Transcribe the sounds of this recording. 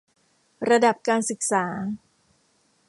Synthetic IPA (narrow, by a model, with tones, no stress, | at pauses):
ɾa˧da˨˩p̚kaː˧nsɯ˨˩k̚saː˩˦